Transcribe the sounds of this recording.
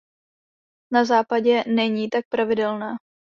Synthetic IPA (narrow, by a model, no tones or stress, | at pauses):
nazaːpaɟɛnɛɲiːt̪ak̚pɾavɪdɛlnaː